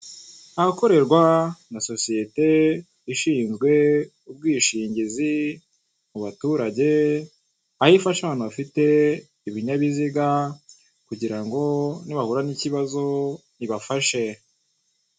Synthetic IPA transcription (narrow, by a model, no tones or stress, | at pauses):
ahako̞ɾe̞ɾɡwanaso̞sije̞te̞ | iʃiːnzɡwe̞ | ub̚ɡiːʃiːɲɟizi | muβatuːɾaɟe̞ | ahifaʃaβaːnhuβafite̞ | iβiɲaβiziɡa | kuɟiɾaŋɡo̞niβahuɾaniciβazo̞niβafaʃe̞